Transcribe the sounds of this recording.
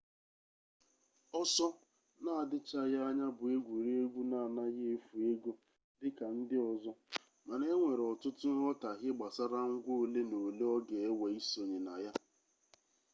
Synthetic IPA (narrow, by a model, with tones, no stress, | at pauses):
ɔ˦sɔ˦ | na˦a˨dɪ˦t͡ʃa˦ja˦a˦ɲa˦bʊ˨e˦ɡʷu˨ɾi˦e˦ɡʷu˦na˦˨a˨na˦ɣe˦e˦fu˨e˦ɡo˦ | dɪ˦ka˨n̩˦dɪ˦ɔ˨zɔ˦ | ma˨ne˦ŋʷe˨ɾɔ˨tʊ˦tʊ˦ɔ˦ta˨ɣɪ˦ɡ͡ba˨sa˦ɾa˦ŋ̩˦ɡʷo˦o˨le˦no˨le˦ɔ˦ɡe˨e˦we˨i˦so˨ɲe˨na˨ja˦